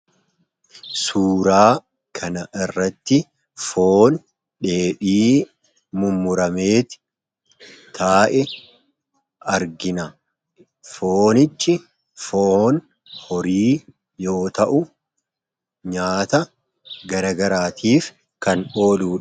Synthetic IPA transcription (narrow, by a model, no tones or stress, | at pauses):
suːɾaː | kʰɐnɐʔɪrːɐt̪ːɪ | foːn | ᶑe̞ːɓiː | mʊmːʊɾɐmeːt̪ɪ̥ | t̪ʰaːʔɛ | ɐɾɡɪnɐ | foːnɪt͡ʃːɪ | foːn | hɔɾiː | jo̞ːt̪ɐʔʊ | ɲaːt̪ɐ | ɡɐɾɐɡɐɾaːt̪ʰiːf | kɐno̞ːluːᶑ